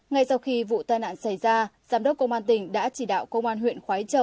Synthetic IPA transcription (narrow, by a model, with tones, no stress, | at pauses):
ŋa˧jsa˧wxi˧vṵ˧˨t̪aː˧jna̰ː˧˨nsa˧˩jzaː˧zaː˨˦mɗə˦˥p̚kə˧wŋ͡mʔaː˧nt̪ï˧˩ŋ̟ɗa̰ː˧˥t͡ɕi˧˩ɗa̰ː˧˨wkə˧wŋ͡mʔaː˧nɦwḭ˧˨ənxwaː˨˦jt͡ɕə˨˧˩w